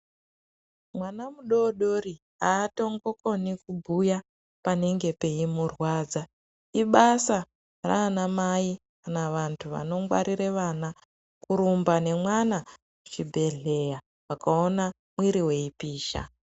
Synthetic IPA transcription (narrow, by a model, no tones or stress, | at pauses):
mwanamuɗoɗoɾi | aːto̞ŋɡo̞ko̞nikubʱuja | paneŋɡe̞pe̞imurwaːd͡za | iɓasa | ra̰ːnamaikanaʋantʰuʋa̰no̞mɡwa̰ɾiɾeʋana | kuɾumbane̞mwana | mut͡ʃibʱe̞ɮe̞ja | wakao̞na | mwiɾiwe̞ipiːʃa̰